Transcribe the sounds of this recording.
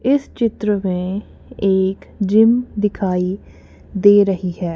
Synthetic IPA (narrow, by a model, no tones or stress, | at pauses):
ɪst͡ʃɪt̪ɾəmẽ | eːkd͡ʒɪmd̪ɪkʰaːi | d̪eːɾɐɦiɦɛː